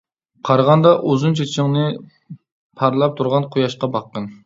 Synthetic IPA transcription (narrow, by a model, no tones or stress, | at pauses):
qʰɑɾʁɑnd̪ɑʔozunt͡ʃʰet͡ʃʰɪŋnɨ | pʰɑɾlˠɑp̚t̪ʰuɾʁɑnqʰojɑʃqɑbɑqːən